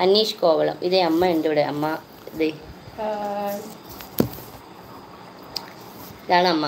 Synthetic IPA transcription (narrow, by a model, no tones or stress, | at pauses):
ɐnːiːʂkoːʋɐɭɐ̰mʔiðeɐmːɐenduuɽeʔɐmːɐ | ðe | iðaːɳɨɐmːɐ